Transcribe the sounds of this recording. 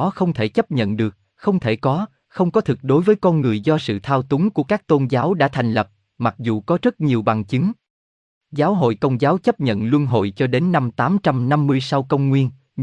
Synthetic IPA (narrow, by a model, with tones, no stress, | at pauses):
xə˧wŋ͡mt̪ʰe˧˩t͡ɕə˦˥p̚ɲə̰˧˨nɗɨ˨˩ək̚ | xə˧wŋ͡mt̪ʰe˧˩kɔ˨˦ | xə˧wŋ͡mkɔ˨˦t̪ʰɨ˨˩k̚ɗo˨˦jvəː˨˦jkɔ˧nŋɨ˨˩əjzɔ˧sɨ̰˧˨t̪ʰaː˧wt̪ʊ˨˦ŋku˧˩əkaː˦˥k̚t̪o˧nzaː˨˦wɗa̰ː˧˥t̪ʰa˨˩jŋ̟lə˨˩p̚ | ma˨˩k̚zṵ˨˩kɔ˨˦zə˦˥t̚ɲi˨˩əwɓa˨˩ŋt͡ɕi˨˦ŋ | zaː˨˦wɦo̰˧˨jkə˧wŋ͡mzaː˨˦wt͡ɕə˦˥p̚ɲə̰˧˨nlwu˧ənɦo̰˧˨jt͡ɕɔ˧ɗe˨˦nːa˧mt̪aː˨˦mt͡ɕa˧mna˧mːɨ˧əjsa˧wkə˧wŋ͡mŋwi˧ən